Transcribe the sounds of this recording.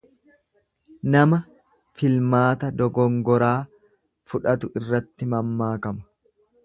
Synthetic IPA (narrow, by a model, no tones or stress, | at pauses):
nɐmɐ | fɪlmaːt̪ɐd̪ɔɡɔŋɡɔɾaː | fʊᶑɐt̪ʊɪrːɐt̪ːɪmɐmːaːkɐmɐ̥